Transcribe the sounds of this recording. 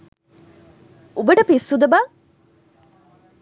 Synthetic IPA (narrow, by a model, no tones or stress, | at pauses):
ubəʈəpisːud̪ɐbaː